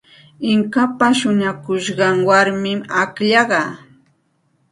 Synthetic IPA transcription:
ɪŋkapaʃʊɲakʊʃɢɑŋwaɾmɪmakʎɑɢɑ

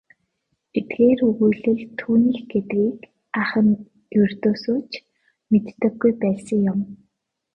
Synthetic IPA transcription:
pit̪ɡeːrɵɣujɮɘ̆ɮt̪ʰːuːniːxɡet̪ɡiːk | aχə̆n | jɵr̥t̪oːsoːt͡ɕ | met̪ːə̆xɡujpæːsə̆ŋjʊm

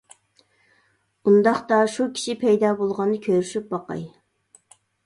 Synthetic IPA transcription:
und̪ɑχt̪ɑʃukʲʰi̥ʃɪpʰɛjd̪ɑːbolˠʁɑnːɨkʲʰøɾyʃyp̚bɑqɑ̰j

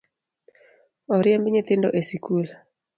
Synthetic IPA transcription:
oɾjembɲet̪ɪndo̰ʔesikul

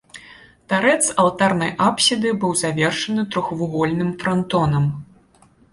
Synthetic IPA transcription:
t̪aɾɛt̪sɐlˠt̪arnɐjʔapsʲid̪ɨbɨwzavʲɛrʂɐnɨt̪ɾɔxvuɣɔlʲnɨmfɾant̪ɔnɐm

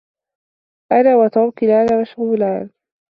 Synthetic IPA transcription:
ʔanaːwat̪ɑɾˤkɪlaːlawaʃɣulaːn

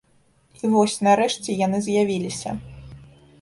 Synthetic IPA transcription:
ivɔsʲnaɾɛʂt͡sʲɛjan̪ɨzʲjavʲilʲisʲɐ̰

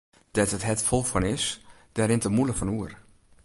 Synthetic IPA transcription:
d̥ɛtətɦɛtfɔlˠfɔnɪs | d̥aɾɪntəmuləfɔnuər

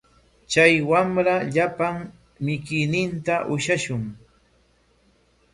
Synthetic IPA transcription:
t͡ʃajwamɾaʎapaŋ | mɪkɪjnɪnt̪aʔʊʃaʃʊŋ

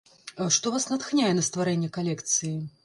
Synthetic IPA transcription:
ʂt̪ɔvasnɐt̪xnʲajɛnɐst̪vaɾɛnʲːɛkalʲɛkt̪sɨji

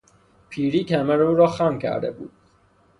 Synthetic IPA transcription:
pʰiːɾiːcʰæmæɾuːɾɒːxæmcʰæ̰ɾd̪ḛbṵːd̪̥̚

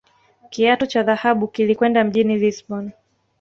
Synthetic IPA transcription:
kiatɔt͡ʃaðahaɓukilikwɛndam̩ʄinilisɓɔn

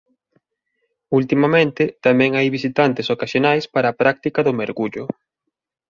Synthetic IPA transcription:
ult̪imamẽnt̪ɪt̪amɛ̃ŋajβisit̪ant̪ɪsokaʃonajspaɾaːpɾak̚t̪ikɐðʊmeɾɣuʎʊ

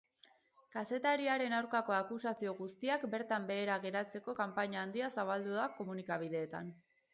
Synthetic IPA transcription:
kase̞t̪aɾiaɾe̞nawɾkako̞akusasio̞ɣust̪iakbe̞ɾt̪ambe̞ːɾaɣe̞ɾat͡se̞ko̞kampaɲaːnd̪iasaβald̪uðako̞munikaβ̞iðe̞ːt̪a̰n

